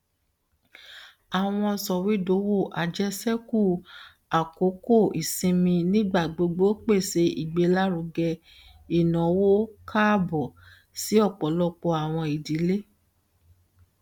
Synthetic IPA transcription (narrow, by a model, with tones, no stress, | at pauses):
a˨w̃ɔ̃˧sɔ˨wi˨˦do˨˦wo˦˨ʔa˨d͡ʒɛ˦sɛ˦ku˦˨ | a˨ko˨˦ko˦˨i˨sĩ˧mĩ˧nĩ˦ɡ͡ba˦˨ɡ͡bo˨˧ɡ͡bo˦k͡pe˦˨se˨˧ḭ˨ɡ͡be˧˦la˦ɾu˨˧ɡɛ˧ | i˨nɔ̃˨wo˦kʰa˦bɔ˨ | si˨˦ɔ˦˨k͡pɔ˨lɔ˦k͡pɔ˧a˨w̃ɔ̃˧i˨di˨˦le˦